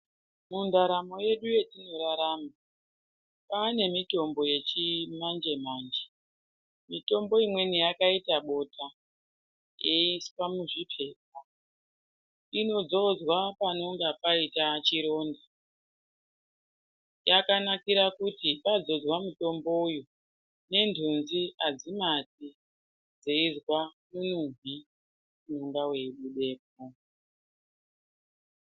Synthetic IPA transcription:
mundaɾamo̞je̞ɗuje̞tino̞ɾaɾaːma | pane̞mito̞mbo̞je̞t͡ʃimand͡ʒe̞maːnd͡ʒe̥ | mito̞mbo̞imwe̞nijakaitaɓo̞tʰa | jeisi̥pamuʐipʰe̞ːp̚a | ino̞d͡zo̞d͡zwapano̞ŋɡapaitat͡ʃiɾo̞ːnda | jakanakiɾakutipad͡zo̞d͡zwamuto̞mbo̞jo | ne̞ndʱunziad͡zimat̚i | d͡zeizwamunuŋvi | muŋɡawe̞ɗuɗe̞ːpo

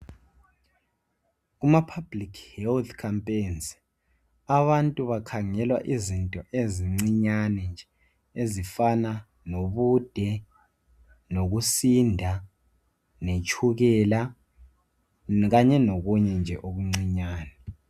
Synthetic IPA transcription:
ɣumapʰab̥likʰhɛlt̪ʰkʰampʼejnz | aβantʼuβakʰaŋɛlwaʔizintʼɔʔeziŋ͡ǀiɲanɛnd͡ʒʱɛ | ezifana | noβud̥ʱɛ | noɣusindʱa | net͡ʃʼʰuɣɛla | ɣaɲɛnoɣuɲɛnd͡ʒʱɛ̰ʔoβuŋ͡ǀiɲaːnɛ

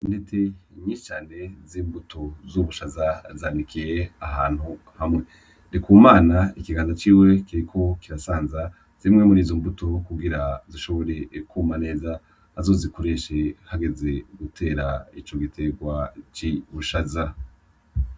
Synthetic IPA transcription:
ndet͡se̞ɲiːʃi̥t͡ʃaːne̞ziːmbutozuβuʃazazaːndikʰije̞aɦaːn̥hu | hamŋe̞ | dikuːmaːnaikiɡaːnzat͡ʃiːwe̞kiɾikʰo̞kiɾasaːnza | z̥imŋe̞muɾiːzombutokuɡiɾaziʃo̞βo̞ɾe̞kuːmane̞ːza | hazo̞ːziko̞ɾe̞ʃe̞haɡe̞ze̞ɡutʰe̞ːɾait͡ʃo̞ɡitʰe̞ɡwat͡ʃiβuʃaza

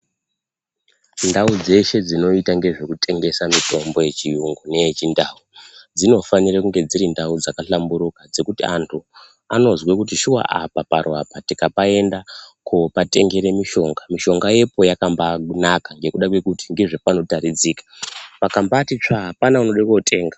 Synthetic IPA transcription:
ndaud͡ze̞ʃe̞d͡zino̞itaŋɡe̞ʐe̞kute̞ŋɡe̞samito̞mbo̞je̞t͡ʃiuŋɡone̞et͡ʃindaːud͡zino̞fanirakuŋɡe̞d͡ziɾindaud͡zakaɬambuɾukad͡ze̞kutiantʰu | ano̞zwekut̬iʃuwa̰ʔapaparwapatikapae̞ndakʰopate̞ŋɡe̞ɾe̞miʃo̞ŋɡamiʃo̞ŋɡaje̞po̞jakambanakaŋɡe̞kuɗakwe̞kutiŋɡe̞ʐepano̞taɾid͡zikḁpakambatit͡ʂaɦapanaunoɗekotʰʼe̞ːŋɡa

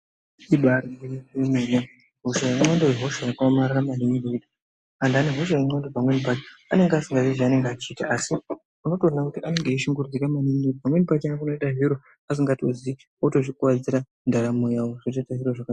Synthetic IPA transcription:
iɓarieemena | ɦoʃajaŋ͡ǁandojeɦoʃajakamaɾramaniniɡoitḁ | andaneɦo̞ʃ̬ajaŋ͡ǀandopamwenipat͡ʃea̰ne̞ŋɡeasiŋɡaziʐiane̞ŋɡat͡ʃiːtaasi | uno̞toranakutiʔane̞ŋɡaiʃiŋɡurud͡zekamaniminoipamwenipat͡ʃanakunoitaɦiɾo | as̬iŋɡatozi | otot͡ʃikuwad͡ziɾa | ndaɾamojawoʐot͡ʃatasirwoʐaka

